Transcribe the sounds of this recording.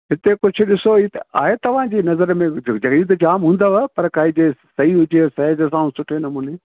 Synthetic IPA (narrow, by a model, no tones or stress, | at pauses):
ɦɪt̪ekʊd͡ʑʱʰʊ̆ɗɪsoit̪ɐa̰ːɦet̪ɐʋ̤ãd͡ʑiːnɐzəɾmẽd͡ʑɐɡiːd̪d͡ʑaːmɦũːnd̪aʋpɐɾkaːɦɪ̃d͡ʑesɐɦiɦʊd͡ʑesɐɦd͡ʑəs̬ãːũsʊʈʰenɐmũːneː